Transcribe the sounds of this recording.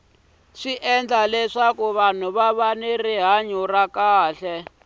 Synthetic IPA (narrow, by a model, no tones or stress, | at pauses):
ʂiʔɛnd͡ɮalɛʂakuβan̤uβaβaneriɦaɲurakaːɬɛ